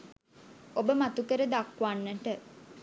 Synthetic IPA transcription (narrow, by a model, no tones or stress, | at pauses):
obəmat̪ukəɾəd̪akʋanːəʈə